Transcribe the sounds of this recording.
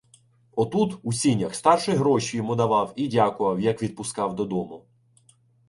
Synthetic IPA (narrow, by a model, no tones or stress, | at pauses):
ɔt̪ut̪usʲinʲɐxst̪ɑrʃɛɦɾɔʃʲijɔmud̪ɐʋɑwidʲakʊʋɐwjɐkʋʲid̪̚pʊskɑwd̪ɔd̪ɔmʊ